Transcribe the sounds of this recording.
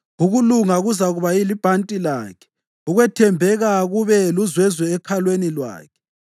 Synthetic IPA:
uɣuluŋaɣuzaɣuβailib̥ʱantʼila̰ːkʰɛ̥ | uɣwɛtʰɛmbʱɛɣaɣuβɛluzwɛzwɛːkʰalwenilwa̰ːkʰɛ̥

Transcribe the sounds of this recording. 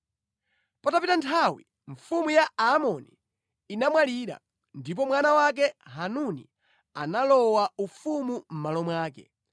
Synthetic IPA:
patapitantʰawi | ɱfumujaaːmɔniː | namwaliɾa̰ | ndip̬ɔmwanawak̬ɛɦanunḭ | analɔwaufumum̩malɔmwaːkɛ̰

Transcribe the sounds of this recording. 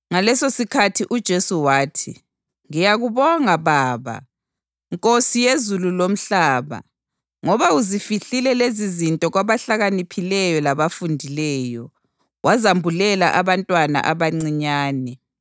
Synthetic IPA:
ŋalɛsosikʰatʰiʔud̥ʒ̥ʱesuwaːtʰḭ | ŋijaɣuβɔŋaβaːβa̰ | ŋkʼosijezululom̩ɬaːβa̰ | ŋɔβauzifiɬilɛlezizintʼɔɣwaβaɬaɣanipʰilɛjɔlaβafundʱilɛːjɔ | wʔazambʱulɛlaʔaβantʼwana̰ʔaβaŋ͡ǀiɲaːnɛ

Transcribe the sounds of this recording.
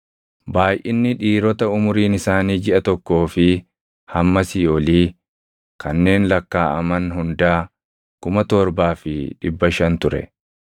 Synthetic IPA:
baːjʔɪnːɪᶑiːɾɔt̪ɐʊmʊɾiːnɪsaːniːd͡ʒɪʔɐt̪ɔkːo̞ːfɪ | hɐmːɐsɪjɔliː | kʰɐnːe̞ːnlɐkːaːʔɐmɐnhʊnd̪aː | kʊmɐt̪ɔɾbaːfɪᶑɪbːɐʃɐnt̪ʊɾɛ̰

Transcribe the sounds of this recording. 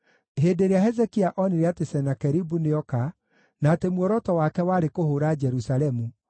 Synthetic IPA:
ɦedeɾeaɦɛzɛkiaʔɔneɾɛatesɛnakɛɾibuneɔka | naːtemwɔɾɔtɔwakɛwaːɾekohoːɾad͡ʒɛɾusalɛmu

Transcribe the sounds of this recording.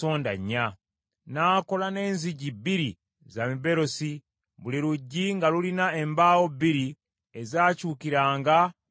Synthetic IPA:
oːnda̰ɲːa | naːko̞lane̞ːnziɟibiɾi | zamiβe̞ɾo̞si | βuliɾuɟːiŋɡalulinae̞mbaːwo̞bːiɾi | ezaːcuːkiɾaːŋɡa

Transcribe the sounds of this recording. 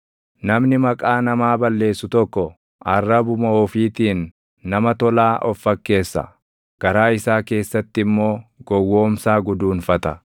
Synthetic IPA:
nɐmnɪmɐkʼaːnɐmaːbɐlːe̞ːsːʊt̪ɔkːɔ | ʔɐrːɐbʊmɐɔːfiːt̪iːnː | ɐmɐt̪ɔlaːʔɔfːɐkːe̞ːsːɐ̰ | ɡ̥ɐɾaːɪsaːke̞ːsːɐt̪ːɪɪmːo̞ːɡ̥ɔwːo̞ːmsaːɡʊd̪uːnfɐt̪ɐ

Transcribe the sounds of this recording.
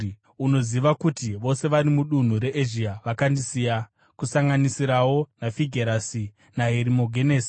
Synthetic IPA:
uno̞ziʋakutiʋo̞se̞ʋaɾimuɗun̤uɾe̞ʔeʒiaʋakandisiːja | kusaŋɡanisiɾawo̞nafiɡʱeɾasi | naɦeɾimo̞ɡʱeneːsi̥

